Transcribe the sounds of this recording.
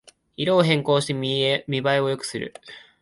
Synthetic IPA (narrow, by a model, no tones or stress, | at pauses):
iɾo̞ːɦẽ̞ŋko̞ːɕi̥t̪emʲibaio̞jo̞kɯ̟̥sɨɾɯ̰